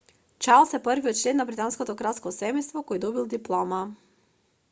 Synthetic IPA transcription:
t͡ʃalˠsɛpərviɔt̪t͡ʃlɛnːabɾit̪anskɔt̪ɔkɾaskɔsɛmɛjst̪vɔkɔjd̪ɔbilˠd̪iplˠɔma

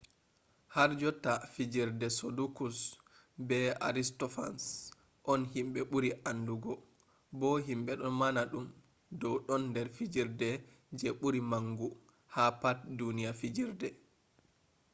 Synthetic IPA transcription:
haɾd͡ʒɔtafid͡ʒiɾdɛsodukus | bɛa̰ɾistɔfa̰ns | ʔɔnhimɓɛɓuɾiʔanduɡɔ | bɔɦimɓɛɗɔnmanaɗum | dɔwɗɔnːdɛɾfid͡ʒiɾdɛ | d͡ʒɛɓuɾimaŋɡu | hapat̚dunijafid͡ʒiɾdɛ

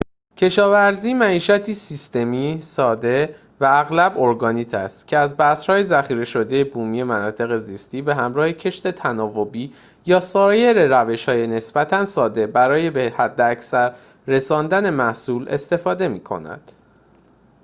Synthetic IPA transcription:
cʰe̞ʃɒːvæɾziːmæiːʃæt̪ʰiːsist̪e̞miːsɒːd̪e̞ | væːɣlæbo̞ɾɡɒːniːt̪ʰæ̰st̪cʰeæzbæshɒːjezæχiːɾe̞ʃo̞d̪e̞jebuːmiːje̞mænɒːt̪ʰe̞ɣe̞ziːst̪iːbe̞ɦæmɾɒːhe̞cʰe̞ʃt̪e̞t̪ʰænɒːvo̞biː | jɒːsɒːje̞ɾe̞ɾæve̞ʃhɒːjene̞sb̥æt̪ʰænsɒːd̪e̞bæɾɒːje̞behæd̪ːeæcsæɾː | e̞sɒːnd̪æne̞mæhsuːlʔe̞̰st̪e̞fɒːd̪e̞miːkʰo̞̰næ̰d̪̥

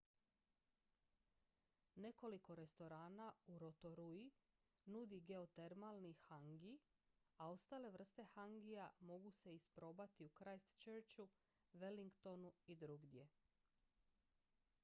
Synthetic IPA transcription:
ne̞ko̞liko̞ɾe̞st̪o̞ɾaːnauɾo̞t̪o̞ɾui | nud̪iɡe̞ot̪e̞ɾmalˠnixaŋɡi | ao̞st̪aːle̞ʋr̩st̪e̞xaŋɡijamo̞ɡuse̞ispɾo̞ːbat̪iukɾajst̪t͡ʃeɾt͡ʃu | ʋeliŋkt̪o̞nuid̪ɾuɡd̪je̞

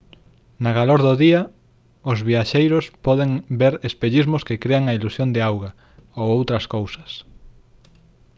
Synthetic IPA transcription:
naɣaloɾðʊðiɐ | ʊzβiaʃejɾʊspɔðeŋbeɾespeʎizmʊskɪkɾeaŋɐilusjond̪ɪawɣɐ | owowt̪ɾɐskowsɐs

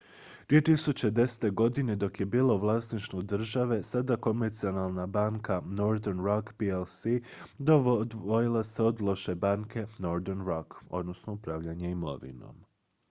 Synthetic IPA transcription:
d̪vie̞t̪isut͡ɕe̞d̪e̞se̥t̪e̞ɡo̞d̪ine̞d̪o̞kje̞biːlˠo̞ʋlˠasniʃt̪vod̪r̩ʒaʋe̞sad̪ako̞meɾt̪sio̞nalˠnabaːŋkʰano̞ɾd̪eɾnɾakpielsi | d̪od̪ojilˠase̞od̪lˠo̞ʃe̞baŋkʰe̞no̞ɾd̪ernɾoko̞̰d̪no̞snoupɾaːʋʎaɲeimo̞̰ʋḭno̞̰m

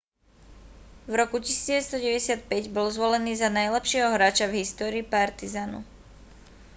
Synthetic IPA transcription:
vɾɔkuci̥siːd͡zɟɛʋɛt͡sst̪ɔɟɛʋɟɛsɪat̪̚pɛɟbɔlzʋɔlɛniːzanajlɛpʃɪɛɦɔɦɾaːt͡ʃavɦist̪ɔːɾiːpaɾt̪izanṵ

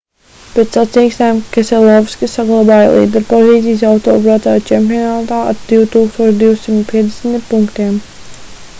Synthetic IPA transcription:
pet̪sat̪ijksnajmkʲesɛlˠɔvskisaɡlˠabaːj̰lˠḭːd̪ɛɾpɔziːt̪sijs̬awt̪ɔːbɾat̪aːt͡ʃɛmpʲijɔnaːt̪aːa̰ɾd̪̥iwt̪uːkst̪uɔʃd̪iwsimt̪pʲiɛd̪ʲesnt̪ipuŋkt̪iɛm

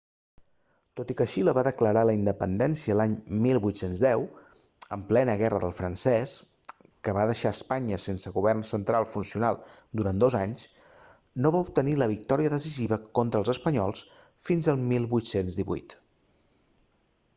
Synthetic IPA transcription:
t̪ot̪ikəʃiləβaðəkləɾaləind̪əpənd̪ɛnsiəlaɲmilˠβujt̪senzðɛw | əmplɛnəɣɛrəðə̰lˠfɾənsɛs | kəβaðəʃaəspaɲəsensəɣuβ̞ɛrnsənt̪ɾalˠfunsiunalˠd̪uɾand̪ozaɲs | noβaup̚t̪əniləβik̚t̪ɔɾiəðəsiziβəkɔnt̪ɾəlˠzəspəɲɔlˠs | finzəlˠmilˠβujt̪senzðiβṵjt̪

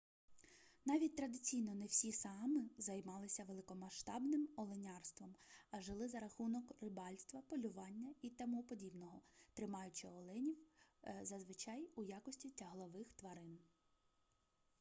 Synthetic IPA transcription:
nɑʋʲit̚ʲt̪ɾɐd̪ɪt͡sʲijnɔnɛwsʲisɑmɪzɐjmɑlˠɪsʲɐʋelˠɪkɔmɐʃt̪ɑbnɪmɔlˠɪnʲɑrst̪ʋɔmɐʒɪlˠɪzɐɾɐxunɔkrɪbɑlʲst̪ʋɐpɔlʲʊʋɑnʲːɐit̪ɐmupɔdʲibnɔɦɔt̪ɾɪmɑjʊt͡ʃɪɔlˠɪnʲiwzɐzʋɪt͡ʃɑjujɑkɔsʲtʲitʲɐɦlˠɔʋɪxt̪ʋɐɾɪn

